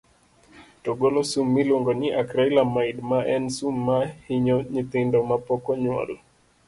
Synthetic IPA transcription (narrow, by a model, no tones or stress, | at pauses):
tɔɡolɔsumːilwoŋɡɔɲiʔakɾailamaidmaʔɛnsumːahiɲɔɲit̪ɪndɔmapɔkɔɲwɔ̰l